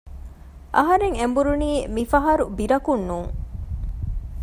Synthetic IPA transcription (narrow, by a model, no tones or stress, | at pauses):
ʔɐɦɐɾeŋembuɾuniːmifɐɦɐɾubiɾɐkunːuːŋ